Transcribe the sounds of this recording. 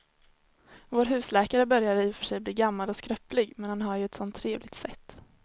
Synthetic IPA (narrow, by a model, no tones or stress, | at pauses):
voːɾɦʉ̟ːslɛːkaɾəbœɾjad̪əfœʂɛjbliːɡamːalɔskɾœpːlɪɡmɛnhanɦaɾjɵɛt̪sɔnt̪ʰːɾeːvlɪɡ̚t̪sɛ̰t̪ː